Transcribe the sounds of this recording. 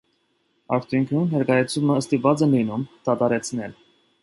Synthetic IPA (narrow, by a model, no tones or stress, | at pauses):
ɑ̰ɾt̪ʰjuŋkʰjunhɛɾkɑjɛt͡sʰuməːst̪ivɑt͡sɛnlinumt̪ɑt̪ɑɾɛt͡sʰnɛl